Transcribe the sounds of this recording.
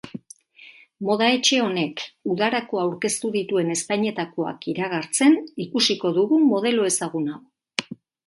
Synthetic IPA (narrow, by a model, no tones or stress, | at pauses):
mo̞ðae̞t͡ʃe̞o̞ne̞kuðaɾakoawɾke̞st̪uðit̪ue̞ne̞spajɲe̞t̪ako̞a̰kiɾaɣaɾt͡se̞nikusiko̞ðuɣumo̞ð̞e̞lo̞e̞saɣunaw